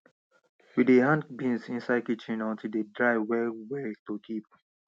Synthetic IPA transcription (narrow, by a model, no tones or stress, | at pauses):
widehãnbĩnsĩnsaɪkit͡ʃĩnɔ̃ntʰidedɹaɪwɛwetokʰip̚